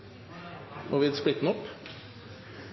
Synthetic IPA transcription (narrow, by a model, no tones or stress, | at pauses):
ʔɔʋɪsp̪ɪt̪ːnəɔpː